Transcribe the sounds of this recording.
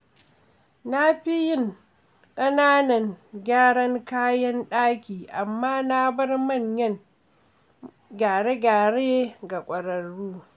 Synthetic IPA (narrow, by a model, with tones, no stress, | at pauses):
na˦ɸi˦jɪ˦ŋ | kʼɐ˦naː˦nɐ˨ŋɡʲaː˦ɽɐ˦ŋkaː˦jɐ˦nɗaː˦kʲiː˨ʔa˨mːaː˦na˦bɐ˦rmɐ˦˨ɲjɐ˦ŋ | ɡʲaː˨ɽe˦ɡʲaː˨ɽe˦ɡa˨kʷʼɐ˨ɾɐ˨ɽuː˦